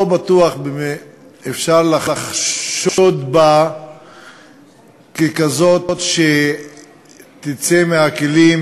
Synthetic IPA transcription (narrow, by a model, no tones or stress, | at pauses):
obat̪uaχbeeefʃaʁlaaχʃot̪ba | kekazo̞tt̪ʃe | t̪it͡semeakelim